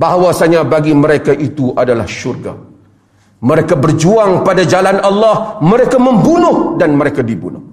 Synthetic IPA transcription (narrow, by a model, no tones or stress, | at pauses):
baɦawasaɲãbaɡimə̃ɾekaʔit̪uʔadala̰hʃurɡa̰ | mə̃ɾekabərd͡ʒuaŋpadad͡ʒalanalːahmə̃ɾekamə̃mbunʊhdanmə̃ɾekadibṵnʊh